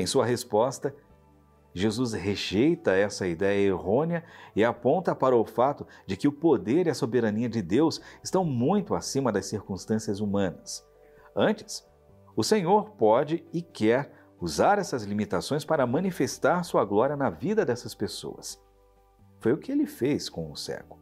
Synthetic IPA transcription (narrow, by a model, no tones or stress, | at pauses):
ẽj̃suɐɦespɔst̪ɐ | ʒezusɦeʒejt̪ɐɛsɐid̪ɛjɐeɦõniɐɪapõnt̪ɐpaɾɐʊfat̪ʊd͡ʒɪkɪʊpod̪eɾiɐsobeɾɐniɐd͡ʒɪd̪ewsɪst̪ɐ̃w̃mũj̃t̪ʊa̰sĩmɐd̪ɐsːiɾkũst̪ɐ̃siɐzumɐ̃nɐs | ɐ̃t͡ʃɪ̥s | ʊsẽɲoɾpɔd͡ʒɪɪkɛɾ | uzaɾɛsɐzlimit̪asõj̃spaɾɐmɐ̃nifest̪aɾsuɐɡlɔɾiɐnɐvid̪ɐd̪ɛsɐspeso̰wɐ̰s | fojʊkɪelɪfeskõw̃ʊsɛ̰kʊ̥